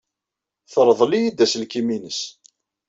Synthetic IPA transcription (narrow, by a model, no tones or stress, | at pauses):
θəɾˤðˤlijid̪æsəlkiminəs